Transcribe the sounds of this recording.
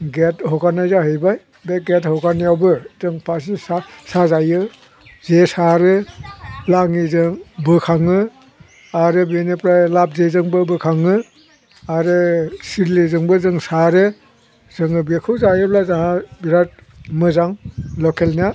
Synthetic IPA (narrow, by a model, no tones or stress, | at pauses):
ɡethɔkanajzaɦɯjbaj | beɡethɔɡanijawbɯzɯŋpʰasisasazajɯ | zesaɾɯ | laŋizɯŋbɯkʰaŋɯ | aɾɯbenepɾalap̚zezɯŋbɯbɯkʰaŋɯ | aɾɯsiɾlizɯŋbɯzɯŋsaɾɯ | zɯŋɯbekʰɯwzajɯblazaɦabiɾat̚ | mɯzaŋlɔkʰelnia